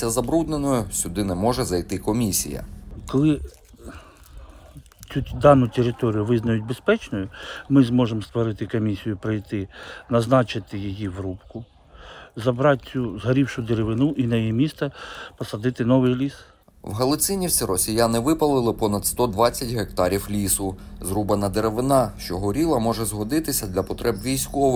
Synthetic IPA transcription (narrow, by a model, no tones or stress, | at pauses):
sʲɐzɐbɾud̪nenɔjʊsʲʊd̪ɪnɛmɔʒɛzɐjt̪ɪkɔmʲisʲḭjɐ̰kɔlˠɪ | t͡sʲud̪ɑnʊt̪ʲeɾɪt̪ɔɾʲijʊʋɪznɐjʊtʲbespɛt͡ʃnɔjʊmɪzmɔʒemst̪ʋɔɾɪt̪ɪkɔmʲisʲijʊpɾɪjt̪ɪnɐznɑt͡ʃɪt̪ɪjijiʋɾupkʊ | zɐbɾɑt̚ʲt͡sʲuzɦɐɾʲiwʃʊd̪eɾeʋɪnuʔinɐjjimʲist̪ɛpɔsɐd̪ɪt̪ɪnɔʋɪjlʲis | wɦɐlˠɔsʲɪnʲiwsʲiɾɔsʲijanɪʋɪpɐlˠɪlˠɪpɔnɐd̪st̪ɔd̪ʋɑt͡sʲːɐtʲɦek̚t̪ɑɾʲiwlʲisʊzɾubɐnɐd̪eɾeʋɪnɑʃt͡ʃɔɦɔɾʲilˠɐmɔʒɛzɦɔd̪ɪt̪ɪsʲɐd̪lʲɐpɔt̪ɾʔɛbʋʲijsʲkɔʋɪ